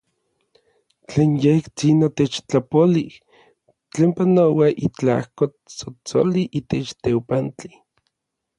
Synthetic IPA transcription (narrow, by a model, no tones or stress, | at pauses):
t͡ɬeːnjeht͡sinot̪et͡ʃt͡ɬapolih | t͡ɬeːmpanowaʔit͡ɬa̰hko | t͡sot͡so̰liʔit̪et͡ʃt̪ewpant͡ɬi̥